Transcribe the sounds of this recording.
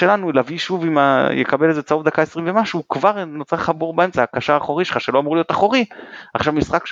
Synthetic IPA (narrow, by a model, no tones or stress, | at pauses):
elanulaviʃuvimajekabelezet͡sauvd̪akaesʁimvemaʃukvaʁnot͡saχaboʁbaemt͡saakaʃaːχo̞ʁiʃelχaʃelo̞amuʁulijo̞t̪aχo̞ʁiaχʃavmisχak